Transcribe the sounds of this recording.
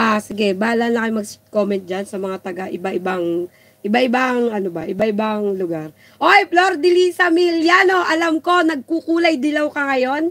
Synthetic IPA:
ʔasɪɡɛbaːlɐnlɐkɐjmɐɡs̚komɛnt̪̚d͡ʒansɐmɐŋat̪ɐɡaʔɪbaʔɪbaŋ | ʔɪbaʔɪbaŋʔɐnobɐ̰ʔɪbaʔɪbaŋlʊɡaɾ | ʔojploɾd̪ɪlisɐmiljano̞ʔɐlɐmko̞nɐɡ̚kukuːlɐjd̪ɪlɐwkɐŋɐjo̞n

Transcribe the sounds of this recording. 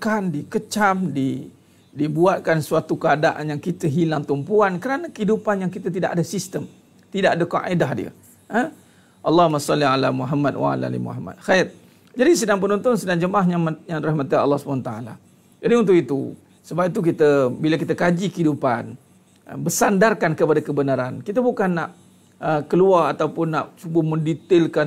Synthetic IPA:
kandikət͡ʃamdi | dibuat̪̚kansuat̪ukəadaʔanjaŋkit̪əɦilaŋt̪umpuankəɾanakəidupanjaŋkit̪ət̪idaʔadasist̪əm | t̪idaʔadəkaʔedahdiə̰ | ə | ʔɑlːɑhmasɑlialamuɦamːatwa̰a̰la̰lḭmṵɦamːa̰t̪̚xat̪̚ | d͡ʒadis̬ədaŋp̬ənɔnt̪ʊnsədaŋd͡ʒəmaɦɲajaŋdɾahmat̪iɑ̰lːɑhsu̥pnat̪aala̰ | d͡ʒadiunt̪ʊʔit̪ṵ | səbapit̪̬uk̬it̪əbilakit̪akad͡ʒikəidupan̰ | bəsandarkankəpadakəbənaɾankit̪̬abukanːaʔ | əkəluarat̪awpʊnːa̰ʔt͡ʃubəmə̃ndit̪ɪlka

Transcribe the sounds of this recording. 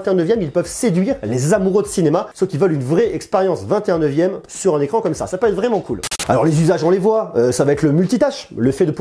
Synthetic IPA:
t̪eɛ̃nəvjɛmilpœvsed̪ɥiʁlezamuʁød̪əsinemasofkilvœlynvʁɛɛkspeʁjɑ̃svɛ̃t̪eɛ̃nəvjɛmsyʁɛ̃nekχɑ̃kɔmsa̰sapøɛt̪χvʁɛmɑ̃kulalɔ̰ʁlezyzaʒɔ̃levwaøsavaɛt̪ʰləmylt̪it̪aʃləfɛd̪əp

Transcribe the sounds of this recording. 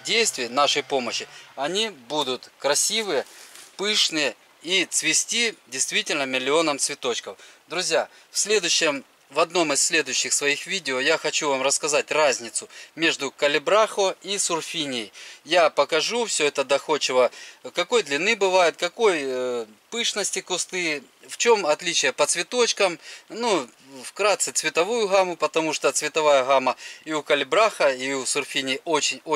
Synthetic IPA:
dʲejst̪vʲɪjənaʂəjpo̞məɕːɪɐnʲibud̪ʊt̪kɾɐsʲivɨjəpɨʂnɨjə | it̪svʲɪsʲtʲidʲɪjst̪vʲitʲɪlʲnəmʲɪlʲɪo̞nəmt̪svʲɪt̪o̞t͡ɕkəfd̪ɾʊzʲja | fsʲlʲe̞d̪ʊjɕːɪm | vɐd̪no̞mɪsʲlʲe̞d̪ʊjʉɕːɪxsvɐixvʲidʲɪojaxɐt͡ɕuvamrəskɐzatʲrazʲnʲɪt̪sʊmʲe̞ʐd̪ʊkəlʲɪbɾaxoisʊrfʲinʲɪjjapəkɐʐufsʲɵɛt̪əd̪ɐxo̞t͡ɕːɪvəkɐko̞jd̪lʲɪnːɨbɨvajʊt̪̚kɐko̞j | pɨʂnəsʲtʲɪkʊst̪ɨ | ft͡ɕo̞mɐt̪lʲit͡ɕɪjəpət̪svʲɪt̪o̞t͡ɕkəmnu | fkɾat̪sɨt̪svʲɪt̪ɐvujʊɣamʊpət̪ɐmuʂt̪ot̪svʲɪt̪ɐvajəɣaməiʊkəlʲɪbɾaxəiusʊrfʲinʲɪjʔot͡ɕɪnʲo

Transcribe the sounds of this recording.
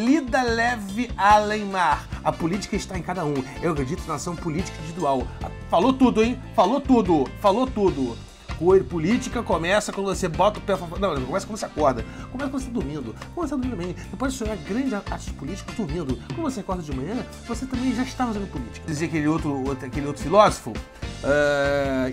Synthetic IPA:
lid̪ɐlɛvɪalẽj̃maɾɐpulit͡ʃi̥kɐɪʃt̪aẽj̃kad̪ɐũ | ewɐkɾed͡ʒit̪ʊnɐasɐ̃w̃pʊlit͡ʃi̥kɐĩd͡ʒ̪d͡ʒivid̪uaw̰ | falot̪ud̪ʊẽj̃falot̪ud̪ʊfalot̪ud̪ʊ | kpulit͡ʃikɐkomɛsɐkwɐ̃nd̪vosebɔt̪ɐʊpɛfavonɐ̃w̃nẽkomɛskd̪voseakɔɾd̪ɐkkõmɛsɐkõvost̪ad̪uɾmĩnd̪ʊkõnsead̪umĩd̪bẽj̃d̪̥epojzsoaɡɾɐ̃d͡ʒaaɾt͡ʃɪd͡ʒɪpulit͡ʃi̥kɐd̪uɾmĩnd̪ʊkõd̪ʊvoseekɔɾd̪ɐd͡ʒɪmɐ̃ɲɐ̃ | voset̪ɐ̃mbẽj̃ʒaiʃt̪afazẽnd̪ʊpulit͡ʃi̥kɐd͡ʒɪziɐkelɪowt̪ɾʊt̪akelɪowt̪ɾʊfilɔzofʊ | ɛ

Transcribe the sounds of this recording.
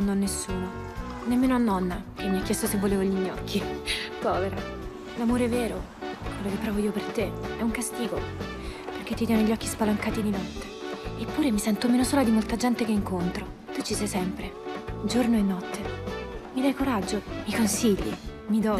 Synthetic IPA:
nːɔnːesːuːno | nemːeːnoanːɔnːakemːiakːjɛst̪osevːoleːvoilmɛjiɔ̰kːipɔːveɾo | lamoːɾeɛveːɾo | kwelːokepːɾɔvoiopert̪eɛuŋkast̪iːɡo | perk̟et̪ːit̪jɛnoʎːɔk̟ːispalaŋkaːt̪id̪inɔt̪ːe̥epːuːɾemisɛnt̪omeːnosoːlad̪imolt̪ad͡ʒɛnt̪ekeiŋkont̪ɾo | t̪ut͡ʃːisɛjsɛmpɾed͡ʒornoenːɔt̪ːemid̪ajkoɾad͡ʒːomikonsiʎːḭ | mid̪ɔ

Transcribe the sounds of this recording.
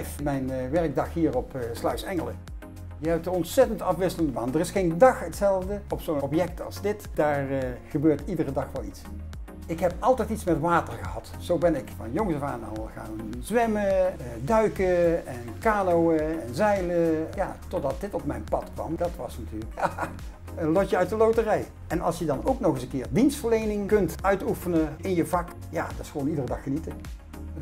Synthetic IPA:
fmɛjnʋɛɹɡ̚dɑxɦiːrɔpslɑɥsɛŋələ̰ | jəɦɛp̚tdəɔntsɛtəntɑfʋɪsələndəmaːndərɪsχejndɑχɦətsɛlˠvdəɔpsowɔpjɛk̚tɑ̰lˠzdɪtd̥aːɹχəbøːɹtidərədɑχʋɑlˠits | ɪkɦɛpɑlˠtɛjtitsmɛtʋaːtəɹχəɦɑt | sowbɛnɪkfɑnjoŋzəvaːnɑ̰lˠχa̰ːnzʋɛmədœɥkəɛnkaːnowəɛnzɛjləja̰ːtɔdɑt̚dɪtɔp̚mɛjnpɑtkʋɑ̰mdɑtʋɑsnatyːləkja | ənlɔtəœɥtdəlowtərɛj | ɛnɑ̰lˠsjədɑnowknɔχəsənkɪːɹdinstfəɹlejnɪŋkɵntœɥtufənəɪnjəvɑk | jaːdɪ̥sxəʋownidərədɑxːənitə

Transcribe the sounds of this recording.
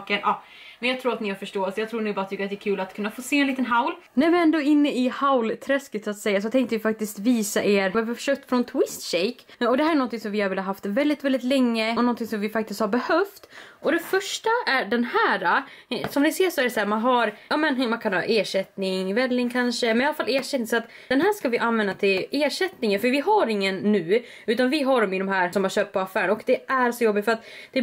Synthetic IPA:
kənʔɑː | mɛnjɑɡt̪ʰɾuːɾat̪nɪhaɾfœʂʈoːlsɔjɑɡt̪ʰɾuːnʉːbɑːɾat̪ʰːʏkːəat̪̚d̪ɛːɾkʰʉ̟ːlat̪kʰɵnːafoːseːɛnliːt̪ənɦaʊl | næɾvɪɛnd̪oɪnːəɪhaʊlt̪ʰɾɛskət̪sat̪sɛjːas̬ɔt̪ʰɛŋkt̪əvɪfak̚t̪ɪst̪viːsaʔeːɾvɪvfœ̥ʂœːkt̪fɾɔnt̪ʰwɪst̪ɕeɪk | ɔd̪ɛhæɾɛnɔnt̪ɪŋsɔmvɪhaɾvɪlːhaɦaft̪vɛld̪ɪt̪vɛld̪ɪt̪lɛŋːənɔnt̪ɪŋsɔmvɪfak̚t̪ɪst̪haɾbɛhœft̪ɔd̪ɛfœʂʈaæɖɛnhæːɾasɔmnɪseːʂɔæɖɛsæːɾmanɦaɾjɑːmɛnmankʰanhɑ̰ːʔeːʂɛt̪nɪŋvɛlːɪŋkʰanʂəmɛnjalːafaleːʂɛt̪nɪŋsɔat̪ | d̪ɛnɦæːʂkavɪʔanvɛnd̪at̪ʰɪleːʂɛt̪nɪŋənfœɾvɪɦaɾɪŋːənːʉ̟ː | ʉ̟ːt̪anvɪɦaɖɔmɪd̪ɔmɦæːɾsɔmhaɾɕøːp̚t̪pʰɔafæːɾənɔkd̪ɛæɾsɔjɔbːɪt̪fœɾat̪d̪̥ɛ

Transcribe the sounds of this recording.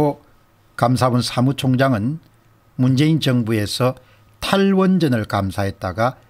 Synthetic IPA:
o | kams̬ʰabunsʰamut͡ɕʰoŋd͡ʑaŋɯn | mund͡ʑe̞int͡ɕʌŋbue̞sʰʌ | tʰaɭwʌnd͡ʑʌnɯɭkamsʰaɦe̞t̚t͈aɡa

